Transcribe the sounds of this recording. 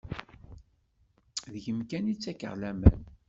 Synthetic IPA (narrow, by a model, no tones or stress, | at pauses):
ðəʝəmkænit͡sːækə̰ʁlæmə̰n